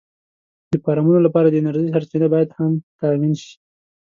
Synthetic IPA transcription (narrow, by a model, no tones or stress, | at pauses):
d̪̥əpɑɾɑmunolapɑɾad̪əɪnaɾʒisaɾsenabɑjad̪hamt̪ɑwinʃi̥